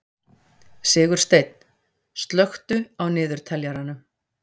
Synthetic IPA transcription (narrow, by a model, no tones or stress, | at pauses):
sɪːɣʏɾ̥st̪ejt̪n̥ | st̪lœxt̪ʏawnɪːðʏɾ̥t̪ʰɛljaɾanʏ